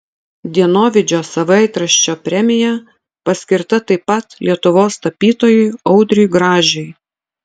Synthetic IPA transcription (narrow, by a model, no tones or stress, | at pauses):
d̪ʲiɛnoːʋʲɪd͡ʒʲoːsɐʋɐɪt̪ɾɐʃʲt͡ʃʲoːpʲɾʲɛmʲɪjɛ | pɐsʲkʲɪɾt̪ɐt̪ɐɪpːɐt̪lʲiɛt̪ʊʋoːst̪ɐpʲiːt̪oːjɛɪɒʊd̪ʲɾʲʊjɡɾɑːʒʲɛɪ